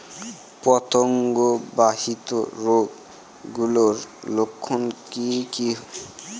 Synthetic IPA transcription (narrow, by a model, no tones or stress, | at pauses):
pɔt̪oŋɡobaɦit̪o̰ɾoɡ | ɡuloɾlokʰːonkiki